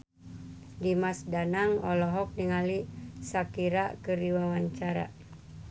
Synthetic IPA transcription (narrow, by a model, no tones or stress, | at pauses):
dimasdanaŋɔ̰lɔɦɔk̚niŋalisakiɾakəɾiwawaɲt͡ʃaɾa̰